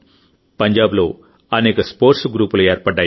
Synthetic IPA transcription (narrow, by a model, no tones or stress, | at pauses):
pɐɲd͡ʒaːblo̞ː | ɐneːkɐspoːɾʈsɡɾuːpulueːɾpɐɖːaː